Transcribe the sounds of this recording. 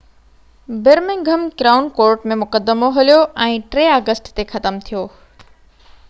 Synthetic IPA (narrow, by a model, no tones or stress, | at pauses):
bɪɾmɪ̃ŋɡʱɐmɡɾaːʊnkoːɾʈmẽmʊkəd̪ːəmoɦɐlijoʔɛ̃ːʈɾeːaːɡəsʈt̪exɐt̪əmt̪ʰijoː